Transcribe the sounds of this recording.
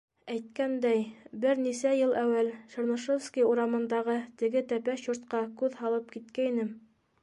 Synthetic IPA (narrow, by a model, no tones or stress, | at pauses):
æjt̪̚kænd̪æjbɘɾnisæjɤlˠʔæwælʃɤ̆ɾnŏʃofskʲiuɾɑmɤ̆nd̪ɑʁɤt̪ɘ̆ɡɘt̪æpæʃjoɾt̪qɑkʉðhɑlˠɤp̚kit̪kæinɘm